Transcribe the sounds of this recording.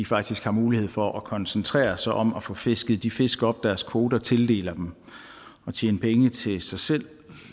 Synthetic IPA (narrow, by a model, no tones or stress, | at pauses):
ifɑ̈ɡ̥̚d̥isɡ̥hɑ̈muːlihe̝ð̞̰ˠfɒʔɒkʰɒ̽nsənt͡sʰʁɛ̰ːɐsɑʔɒ̽mæfɔfe̝sɡ̥əð̩ˠd̥ife̝sɡ̥ɒ̽b̥̚d̥æɐskʰo̝ːd̥ɐt͡sʰe̝ld̥e̝̰ːlɐd̥em | ɒ̽t͡ɕʰjeːnəpʰeŋət͡sʰe̝sɑ̈ɪsel̰